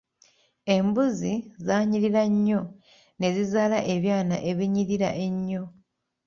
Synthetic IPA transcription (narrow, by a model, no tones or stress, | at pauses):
e̞mbuzizaːɲiliɾaɲːo̞ | ne̞zizaːlaʔe̞βjaːna̰ʔe̞βiɲiliɾa̰ʔe̞ɲːo̞